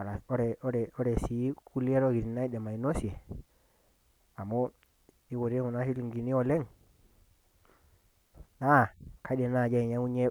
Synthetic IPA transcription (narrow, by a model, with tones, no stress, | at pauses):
a˨la˨o˦ɾe˨o˦ɾe˨o˦ɾe˨si˨˦ku˦li˦e˦ɾo˦ɡi˨ɾi˨na˦i˦de˨ma˨i˨no˦si˨e˨ | a˨mo˦ | i˦ɡo˨ɾe˦ŋu˨na˦si˦li˨ŋɡi˨ni˦o˨le˦ŋ | na˦˨kʰa˦de˨na˦˨d͡ʒa˦i˨ɲa˦u˦ɲe˦